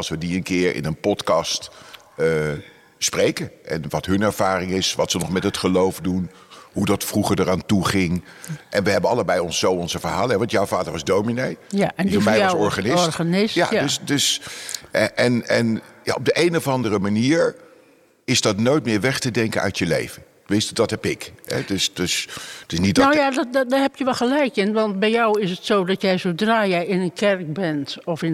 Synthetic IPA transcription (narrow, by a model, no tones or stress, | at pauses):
ɑlˠsʋədiənkɪːɹɪ̰nənpɔtkɑst | sprejkəʔɛ̰nʋɑtɦɵnɛɹv̥aːrɪŋɪsʋɑtsənɔχmɛtɦətχəlowvdun | ɦudɑtfruχəɹdəɾaːntuχɪŋʔɛnʋəɦɛbənɑləbɛjɔnsowɔnzəvəɹɦaːləɛʋɑntjɔwvaːdəɹʋɑzdowminejiɛjsɔɹχanɪsɹtnsja̰ddsdɵs | ʔɛnɛ̰nja̰ɔb̚dəʔejnɔvɑndərəmaniːɹ | ɪzdɑtnojt̚mɪːɹʋɛχtədɛŋkənœ̰ɥtjəlḛjvən | ʋɪstdɑtɦɛpɪkɦɛ̰døsdøstɪsnit̚dojadddaːɦɛpjəʋɛlˠxəlɛjkɪnʋɑntbɛjɔwɪsətsowdɑtjɛjzowdraːjɛjɪnənkʰɛrk̚bɛntɔfɪn